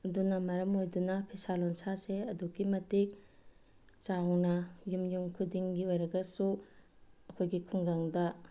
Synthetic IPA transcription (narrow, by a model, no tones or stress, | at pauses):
ɐdunɐmɐɾɐmojdunɐpʰisalonsaseɐduɡimɐtik̚ | t͡ʃawnɐjumjuŋkʰudiŋɡiojɾɐɡɐsu | ɐkʰojɡikʰuŋɡaŋdɐ